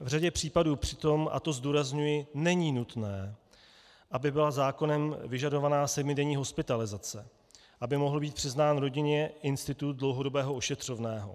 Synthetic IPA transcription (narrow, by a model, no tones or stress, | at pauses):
vraɟɛpr̝̥iːpaduːpr̥ɪt̪o̞ma̰t̪o̞zduːɾazɲujɪnɛɲiːnut̪nɛː | ʔabɪbɪlazaːko̞nɛmvɪʒado̞vanaːsɛdmɪdɛɲiːɦo̞spɪt̪alɪzat͡sɛ | ʔabɪmo̞ɦl̩biːt̪̚pr̝̥ɪznaːnɾo̞ɟɪɲɛʔɪnst̪ɪt̪ut̪̚dlo̞wɦo̞do̞bɛːɦoʔoʃɛt̪r̝̥o̞vnɛːɦo̞̰